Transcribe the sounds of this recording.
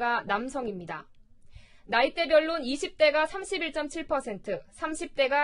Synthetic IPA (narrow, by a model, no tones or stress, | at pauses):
ɡanamsʰʌŋimɲida | nait͈e̞bjʌɭːuniɕʰip̚t͈e̞ɡasʰamɕʰibiɭt͡ɕ͈ʌmt͡ɕʰiɭpʰʌsʰe̞ntʰɯsʰamɕʰip̚t͈e̞ɡa